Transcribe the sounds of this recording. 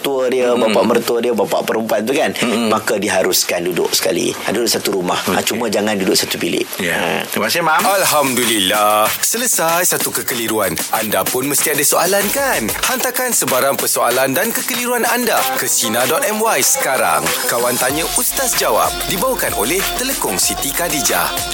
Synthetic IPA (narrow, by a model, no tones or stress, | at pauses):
t̪uədiəbapaʔmərt̪uədiəbapa̰ʔpəɾəmpuat̪t̪ukanmakadiɦaɾuskandudʊ̰ʔ̚sə̥ka̰lḭdudʊʔsat̪uɾumaha̰t͡ʃumə̃d͡ʒaŋãndudʊʔsat̪upilɪ̰ʔjamasimaalɦamdulilahsələsajsat̪ukəkəliɾuanʔandapʊnməst̪iadasoalankanhant̪akansəbaɾaŋpərsoa̰landankəkəliɾuanandakəsinadɔt̪̚ɛmwajsə̥kaɾa̰ŋkawant̪aɲə̃ʔust̪asd͡ʒawa̰p̚dibawakanolɛht̪ələkʊŋsit̪ikadid͡ʒa̰